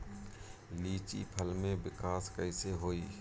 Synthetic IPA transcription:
liːt͡ʃḭpʰəlmẽbɪkaːskəɪseɦoːiː

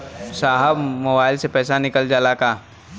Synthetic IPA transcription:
saːɦəbmoːbaːɪlsepɛːsanɪkəld͡ʒaːlakaː

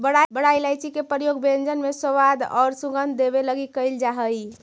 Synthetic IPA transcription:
bəɽabəɽajlajt͡ʃʰikepəɾjoɡbend͡ʒənmesəʋad̪ɔ̰ɾsũɡənd̪d̪ebeləɡikəɪld͡ʒaɦəj

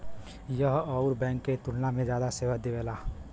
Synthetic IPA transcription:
jəɦʌʊɾbɛ̃ŋkːet̪uɽnamẽd͡ʒjad̪aseʋad̪ebela

